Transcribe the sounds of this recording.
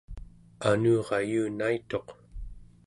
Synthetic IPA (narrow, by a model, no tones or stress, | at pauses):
anuːʁɑjuːnait̪o̞q